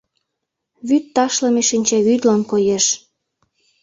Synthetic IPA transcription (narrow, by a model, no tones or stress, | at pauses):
βyt̪ːɑʃlɤ̆meʃinʲt͡ɕeβyt̪lɑnkojeʃ